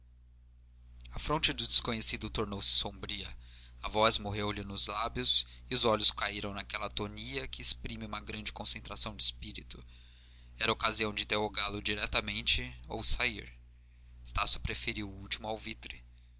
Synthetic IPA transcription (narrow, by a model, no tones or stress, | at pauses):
ɐfɾõnt͡ʃɪd̪ʊd͡ʒɪskõɲesid̪ʊt̪oɾnowsɪ̥sõbɾiɐɐvɔzmoɦewlɪnʊzlabjʊsɪʊzɔʎʊskaiɾɐ̃w̃nakɛlɐt̪oniɐkʰɪespɾĩmɪũmɐɡɾɐ̃nd͡ʒɪkõsẽnt̪ɾasɐ̃w̃d͡ʒɪspiɾit̪ʊ̥ | ɛɾɐokaziɐ̃w̃d͡ʒɪĩt̪eɦoɡalʊd͡ʒiɾɛt̪ɐmẽnt͡ʃɪo̰wsaiɾ | est̪asjʊ̥pɾefeɾiwuwt͡ʃimʊawvit̪ɾɪ